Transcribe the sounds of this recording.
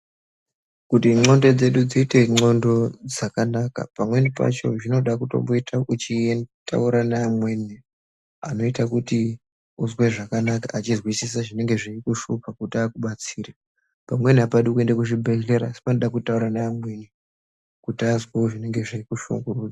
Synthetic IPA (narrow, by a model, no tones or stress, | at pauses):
kutiŋ͡ǁo̞ndo̞d͡ze̞ɗud͡ziːte̞ŋ͡ǀo̞ndo̞d͡zakanaka̰pamwe̞nipa̰t͡ʃo̞̰ʐino̞ɗakuto̞̰mboitʰaʔut͡ʃienta̰uɾanaːmwe̞ne | ano̞itakuti | uzwe̞ʐakanakaʔat͡ʃirwisis̬aʐine̞ŋɡe̞ʐiikuʃupakutiakuɓat͡siːra | pamwe̞niapaɗiukue̞ndakuʃibʱeɮe̞ɾaːsi̥panoɗakutauɾanaːmwe̞ne | kutiazweoʐine̞ŋɡe̞ʐiikuʃṵŋɡuruːd͡za